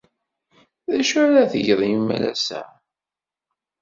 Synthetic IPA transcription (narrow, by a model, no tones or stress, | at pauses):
ðæʃæɾæθəʝðˤimæ̰læ̰sæ̰